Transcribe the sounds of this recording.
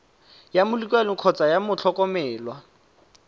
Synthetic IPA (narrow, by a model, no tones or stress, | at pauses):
jamʊlikʼwɛlʊkʰɔt͡sʼajamʊt͡ɬʰɔkʼɔmɛːlwa